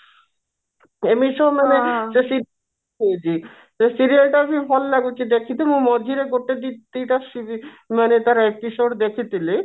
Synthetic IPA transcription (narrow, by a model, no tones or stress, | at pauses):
emiʃɔɦmaned͡ʑesiɾ | oet͡ɕʰi | esiɾialʈapifɔlnaɡot͡ɕʰid̪ekʰit̪imũmɔd͡ʑʱiɾeɡoʈːed̪it̪ːeʈasi | manet̪aɾaepisoɖd̪ekʰit̪ile